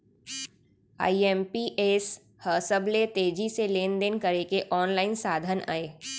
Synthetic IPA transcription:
a̰ːiɛmpiʔeːs | həːsəblet̪eːd͡ʒiseleːnd̪enkəɾekeʔɔːnlaːɪnsaːd̪ʱəna̰ːeː

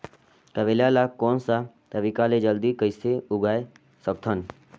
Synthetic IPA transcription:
t̪əʋeljalakoːnsa | t̪əbikaled͡ʒəld̪ikəjseʊɡaːe | sək̚t̪ʰən

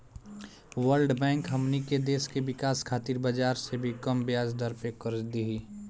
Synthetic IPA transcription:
wəɾɖbɛ̃ːŋkɦɐmniked̪eːskeʋɪkaːskʰaːt̪iɾbəd͡ʒaːɾsebʱikəmbjaːd͡ʒd̪əɾpekəɾd͡ʒd̪iɦi

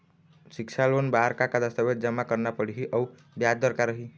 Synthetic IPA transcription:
sikt͡ʃʰalonbaɾkakad̪əst̪əbet̪̚d͡ʒəmːakəɾnapəɽɦiʔəu | bjad̪əɾkaɾəɦi

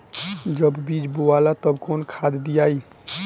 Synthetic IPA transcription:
d͡ʒəbbid͡ʒboalat̪əbkonkʰad̪d̪ijai

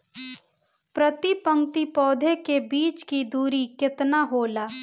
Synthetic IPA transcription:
pɾət̪ipə̃ŋt̪ipɔːd̪ʱekebiːt͡ʃkid̪uːɾikɪt̪naɦoːlaː

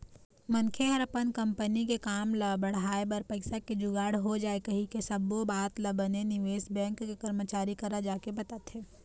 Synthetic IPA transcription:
mɐnkʰeɦɐɾɐpənkɐ̃mpənikekaːmlɐbɐɽ̤aːebɐɾpɐɪsaked͡ʒʊɡaːɽ̤ɦod͡ʒaːekɐɦĩkesɐbobaːt̪lɐbənenɪʋeːsbɛ̃ːŋkːekɐɾmət͡ʃaːɾikɐɾad͡ʒaːkebɐt̪at̪ɦeː

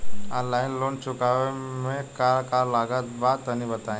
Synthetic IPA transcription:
alainlont͡ɕukaʋemẽkaɾkaɾlaɡat̪bat̪anibət̪ã

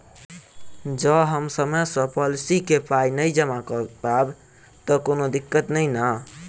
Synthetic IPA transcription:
d͡ʒəɦəmsəmesə̃pɔlsikepainəjd͡ʒəmakpab | t̪əkonod̪ikːət̪nəjna

